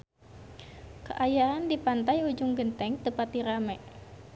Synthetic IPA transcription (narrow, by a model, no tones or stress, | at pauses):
kəʔajaandipant̪ajud͡ʒʊŋɡənt̪ɛŋt̪əpat̪iɾamɛ